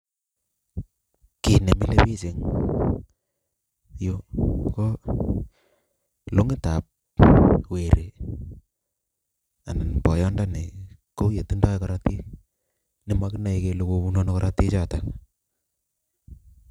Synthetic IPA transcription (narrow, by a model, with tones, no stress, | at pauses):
ki˨ne˨mi˦le˦pi˦t͡ʃe˨ŋ | jo˦kɔ˦ | lo˦ŋɪ˦ta˨p̚ | we˨ɾʔe˨ | a˨na˨nbɔ˨jɔ˦nda˦ni˨ko˦je˨ti˦nda˦kaɾa˦ti˦ | nɪ˦ma˦kɪ˦na˨i˨ke˨lu˨ko˨pu˦no˦no˦kɔɾʔati˦t͡ʃa˦ta˨